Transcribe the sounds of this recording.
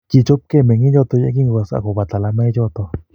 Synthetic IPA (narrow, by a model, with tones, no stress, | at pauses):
ki˧˨t͡ʃo˦p̚ke˦˨mẽ˨ŋĩ˦jo˦˧t̪o˧ja̰˦ki˦ŋo˧˨a˧˨sa̰˧˨ko˨ba˨t̪a˨la˧me˦jo˦t̪o˧